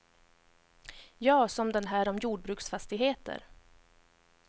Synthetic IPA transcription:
jɑːsɔmd̪ɛnɦæːɾɔmjuːɖ̚bɾʉːksfast̪ɪɡɦeːt̪ə̰ɾ

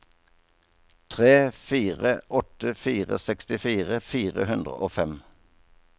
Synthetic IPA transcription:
t̪ʰʁeːfiːʁəʔɔt̪əfiːʁə̰sɛkst̪ɪfiːʁəfiːʁəhʉnd̪ʁə̰ʔo̰ːfɛm

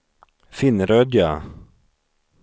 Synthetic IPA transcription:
fɪnɾœd̪ja

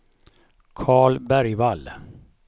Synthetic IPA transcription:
kʰɑːɭbæɾjʋal

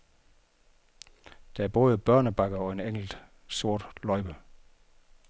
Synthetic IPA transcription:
d̥ææɐb̥ɔ̽ːðˠəb̥ɶɐnəb̥ɑ̈ɡ̥ɐɒ̽e̝neŋ̰l̩d̥ | so̝ɐ̰d̥lɒɪb̥ə

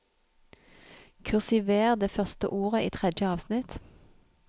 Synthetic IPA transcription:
kʰʉʁsɪʋeːʁd̪eːfœʁst̪ə̰ʔuːʁəʔiːt̪ʰʁɛd̪jəɑːʋsnɪt̪

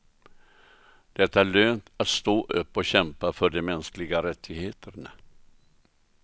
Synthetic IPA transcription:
d̪̥ɛt̪ːaæɭøːnt̪at̪st̪oːʔɵpːɔɕɛmpafœɖɛmɛnsklɪɡaɾɛt̪ʰːɪɡheːt̪ʰəɾɳa

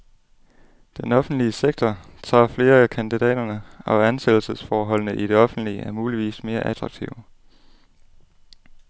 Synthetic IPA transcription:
d̥enɒ̽fn̩d̥liəseɡ̥̚t͡sʰɒt͡sʰɑ̰̈ːfle̝ːɐækʰænd̥id̥ɛ̰ːd̥ɐnəɒ̽ænsed̥l̩səsfɒːɦɒ̽l̰nəʔid̥e̝ɒ̽fn̩d̥liəʔæɐmuːliʋḭːsme̝ːɐʔæd̥ʁɑ̈ɡ̥̚t͡sʰiʊ

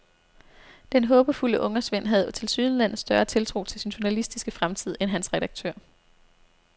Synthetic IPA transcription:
d̥enɦɔ̽ːb̥əfuləʔɔ̽ŋɐsʋen̰ɦæð̞ˠt͡sʰe̝lsyːð̩ˠlæn̰ð̩ˠsd̥ɶɐt͡sʰe̝lt͡sʰʁo̝̰ːt͡sʰe̝lsinɕʊ̝nælisd̥isɡ̥əfʁamt͡sʰið̞̰ˠenɦænsʁɛɾɑ̈ɡ̥̚t͡sʰø̰ɐ̰

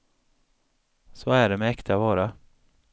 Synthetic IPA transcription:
sɔæɖɛmɛɛkt̪ʰavɑːɾa

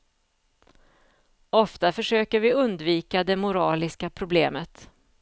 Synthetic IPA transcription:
ɔft̪afœʂøːkəɾvɪɵnd̪viːkad̪ɛmʊɾɑːlɪskapʰɾʊbleːmət̪

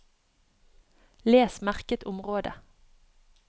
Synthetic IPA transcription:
leːsmæʁkət̪ʊmʁoːd̪ə̰

